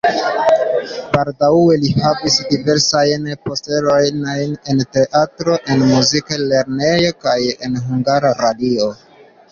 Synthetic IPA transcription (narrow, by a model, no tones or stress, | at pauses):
baldawe̞lihavisdive̞ɾsajnpo̞ste̞lo̞jnojne̞nte̞ʔatɾo̞ʔe̞nmuzikale̞ɾne̞jo̞kaje̞̰nɦuŋɡaɾaɾadio̞